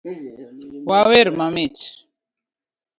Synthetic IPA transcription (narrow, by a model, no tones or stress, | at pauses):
waweɾmamit͡ʃ